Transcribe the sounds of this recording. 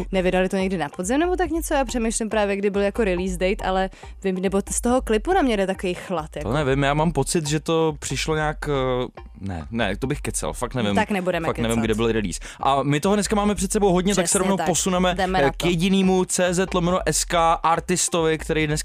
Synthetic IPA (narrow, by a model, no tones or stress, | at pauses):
nɛvɪdalɪt̪oɲɛɡdɪnapodzɪmnɛbot̪akɲɛt͡sojaːpr̝̥ɛmejʃlɪmpɾaːvjɛɡdɪbɪljakoɾɪliːsdɛjt̪ʔa̰lɛ | vɪmnɛbost̪oɦoklɪpunamɲɛɾɛt̪akovijxlat̪janɛvɪmjaːmaːmpo̞t͡sɪt̪ʒɛt̪o̞pr̝̥ɪʃloɲaːk | nɛ̰nɛ̰t̪obɪxkɛt͡sɛ̰lfakt̪nɛvɪmt̪aknɛbudɛmɛfaknɛvɪmɡdɪbɪlɾɪlḭːs | ʔamɪt̪oɦdnɛskamaːmɛpr̥ɛt̪sɛbowɦodɲɛt̪aksɛɾovnowtposunɛmɛdɛmɛtkjɛɟɪniːmut͡sɛːzɛt̪lomɛnoʔɛskaʔaɾt̪ɪst̪ovɪkt̪ɛɾɛjdnɛs